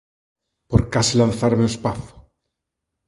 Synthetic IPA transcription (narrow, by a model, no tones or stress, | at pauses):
poɾkasilanθaɾmeuespaθo̥